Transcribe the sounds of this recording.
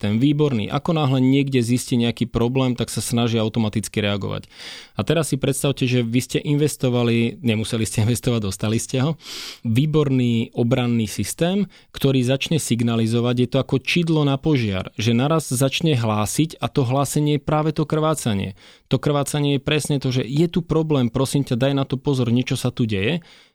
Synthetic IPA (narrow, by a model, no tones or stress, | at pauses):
t̪ɛnʋiːbɔɾnḭːʔa̰kɔnaːɦlɛɲɪɛɡɟɛzisciɲɛakiːpɾɔblɛːmt̪aksasnaʒiaʊt̪ɔmat̪it͡skiɾɛaɡɔ̰ʋa̰cat̪ɛɾasːipɾɛt̪st̪aʊcɛʒɛʋiscɛʔinʋɛst̪ɔʋaliɲɛmusɛliscɛinʋɛst̪ɔʋaɟd̪ɔst̪aliscɛɦɔʋiːbɔɾniːɔbɾanːiːsist̪ɛːm | kt̪ɔɾiːzat͡ʃɲɛsiɡnalizɔʋaɟjɛt̪ɔakɔt͡ʃid̪lɔnapɔʒɪa̰ɾʒɛnaɾazzat͡ʃɲɛɦlaːsicat̪ɔɦlaːsɛɲɪɛjɛpɾaːʋɛt̪ɔkr̩ʋaːt͡saɲɪɛ̰ | t̪ɔkr̩ʋaːt͡saɲɪɛjɛpɾɛsɲɛt̪ɔʒɛjɛt̪upɾɔblɛːmpɾɔsimcad̪ajnat̪ɔpɔzɔɾɲɪɛt͡ʃɔsat̪uɟɛjɛ